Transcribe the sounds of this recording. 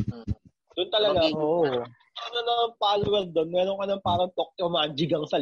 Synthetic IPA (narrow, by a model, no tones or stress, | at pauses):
d̪ʊnt̪ɐlɐɡaoʔmɛnɐnɐŋpaːlowɐɾd̪onmɛːɾoŋkɐnɐŋpaːɾɐŋt̪ok̚tomad͡ʒɪɡɐŋsɐ